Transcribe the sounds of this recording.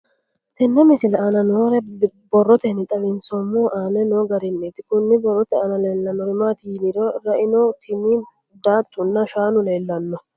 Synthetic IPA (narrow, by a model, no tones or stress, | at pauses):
t̪ɛnːɛmɪsɪlɛɐnɐnoːɾɛbɔrːɔt̪ɛnɪt̪ʼɐlɪnsɔmːuːʔaːnɛnoɡɐɾɪnːeːt̪ɪkʊnːɪbɔrːɔt̪ɛɐnɐleːlːɐnːɔɾɪmaːt̪inɪɾɔɾɐʔɪnɔt̪ʰɪmi | d̪aːt̪ːʊnːɐʃaːnʊle̞ːlːɐnːɔ